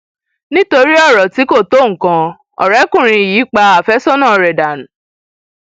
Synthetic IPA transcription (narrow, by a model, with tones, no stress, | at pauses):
nĩ˦to˧ɾi˦ɔ˦˨ɾɔ˨ti˨˦ko˦˨to˦˨ŋ̩˨kã˧ | ɔ̰˨ɾɛ˨˦kũ˦˨ɾ̃ĩ˧˨jiː˨˦k͡pa˧a˨fɛ˦sɔ˦nãː˦˨ɾɛ˨da˨nũ˨